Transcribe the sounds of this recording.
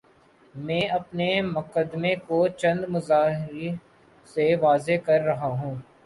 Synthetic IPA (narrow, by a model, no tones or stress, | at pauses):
mɛ̃ːɐpnemʊkəd̪mẽkot͡ʃɐ̃nd̪mʊzaːɦɪɾi | seʋaːzekɐɾːɐɦaɦũː